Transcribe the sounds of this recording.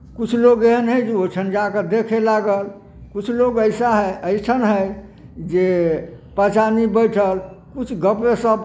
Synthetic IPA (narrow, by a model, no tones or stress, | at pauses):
kut͡ʃʰloɡeɦənɦəjd͡ʒeot͡ʃʰənd͡ʒaked̪ekʰelaɡəl | kut͡ʃʰloɡəɪsaɦəəɪʈʰənɦəj | d͡ʒepət͡ʃanibəɪʈʰəlkut͡ʃʰɡəpʋesəb